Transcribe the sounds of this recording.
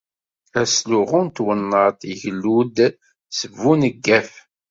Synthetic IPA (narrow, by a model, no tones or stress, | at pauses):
æsluʁunt̪wənːəɾt̪iʝlːud̪ | səvːunəɡːæf